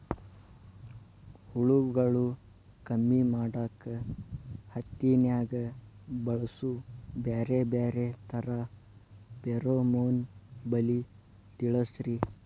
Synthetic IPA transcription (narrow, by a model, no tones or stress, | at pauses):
huɭuɡɐɭu | kɐmːimaːɽaːkɐ | hɐt̪ːinjaːɡɐbɐɭɐsubeːɾebeːɾet̪ʰɐɾa | peɾomoːnbɐli | t̪iɭɐsɾi